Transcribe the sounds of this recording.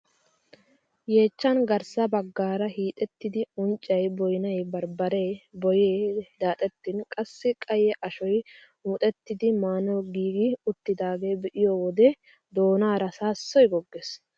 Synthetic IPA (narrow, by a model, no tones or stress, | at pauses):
jeːt͡ʃːɐnɡɐɾsɐbɐɡːaːɾɐhiːt̪ʼɛt̪ːɪd̪ɪʊnt͡ʃʼːɐjbɔjnɐjbɐɾbɐɾebɔjeːd̪aːt̪ʼɛt̪ːɪnkʼɐsːɪkʼɐjɛʔɐʃɔj | mʊt̪ʼɛt̪ːɪd̪ɪmaːnɔɡiːɡɪʊt̪ːɪd̪aːɡe̞ːbɛʔɪjoːwɔd̪ɛ | d̪oːnaːɾɐsaːsːɔjɡɔɡːes